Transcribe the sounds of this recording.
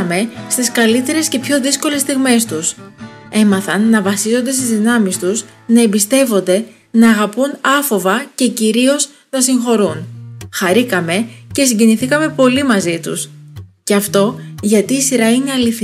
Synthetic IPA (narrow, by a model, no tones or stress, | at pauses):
ɐme̞st̪iskɐlit̪e̞ɾe̞sce̞pço̞ðisko̞le̞st̪iɣme̞st̪use̞mɐθɐnːɐvɐsizo̞nd̪e̞st̪izðinɐmist̪us | nɐembist̪e̞vo̞nd̪e̞ | nɐːɣɐpunɐfo̞vɐce̞ciɾio̞z | nɐsiŋxo̞ɾunxɐɾikɐme̞ce̞siɲɟe̞niθikɐme̞po̞limɐzit̪ṵsce̞ɐft̪o̞ʝɐt̪iːsiɾɐine̞ɐliθi